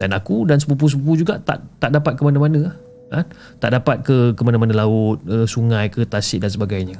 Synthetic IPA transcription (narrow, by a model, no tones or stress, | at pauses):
d̥anakudansəp̬up̬usəpup̬ud͡ʒuɡaʔt̪a̰ʔt̪aʔdapat̪̚kəmanamanə̃a | a | t̪a̰ʔdapat̪̚kəkəmanãmanãlaʊt̪̚əsuŋãjkət̪asɪʔ̚dansəbaɡajɲə